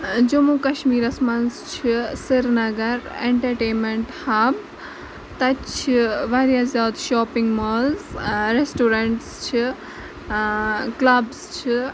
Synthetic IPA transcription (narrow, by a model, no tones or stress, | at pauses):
d͡ʒɐmukɐʃmiːɾɐsmɐnst͡ʃʰisiɾnɐɡɐɾeɳʈɐɾʈeːnmeɳʈhaːb | t̪ɐt͡ʃʰiʋaɾjaːzʲjaːd̪ʃɔːpiŋɡmoːlzɾesʈoːɾɐɳʈst͡ʃʰi | klɐbst͡ʃʰi